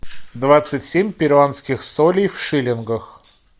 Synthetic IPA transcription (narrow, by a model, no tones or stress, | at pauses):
d̪vat̪sɨtʲsʲemʲpʲɪɾvˠanskʲɪxsolʲɪjfʂɨlʲɪnɡəx